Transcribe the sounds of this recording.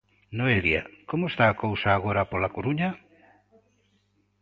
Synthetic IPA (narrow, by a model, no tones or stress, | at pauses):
noelja̰komoest̪aːkowsaːɣ̞oɾapolakoɾuɲa